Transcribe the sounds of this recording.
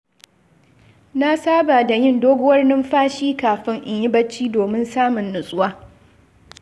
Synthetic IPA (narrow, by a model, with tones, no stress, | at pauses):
na˦saː˦baː˨da˨jɪ˦ndoː˦ɡʷʊ˦wɐ˦rnɪ˦mɸaː˦ʃiː˦kaː˨ɸɪ˦ŋʔɪ˨ɲjɪ˦bɐ˦t͡ʃːiː˦doː˨mɪ˦nsaː˦mʊ˨nːʊ˨sʼʊ˦waː˦